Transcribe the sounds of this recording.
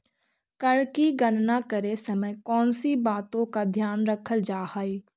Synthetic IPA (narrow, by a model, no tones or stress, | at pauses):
kɐɽkiɡɐnnakɐɾesɐməjkɔːnsibaːt̪õkad̪ʱjaːnɾɐkʰəld͡ʒaːhaːiː